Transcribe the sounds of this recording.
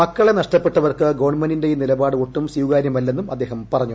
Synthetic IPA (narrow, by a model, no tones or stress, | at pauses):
mɐkːɐɭe̞nɐʂʈɐpːe̞ʈːɐʋɐrkɨɡoʋɐɳmendindejinilɐbaːɽɨoʈːumsiwɡaːɾjɐmɐlːenːumɐd̪ːe̞ːɦɐmpɐrɐɲːu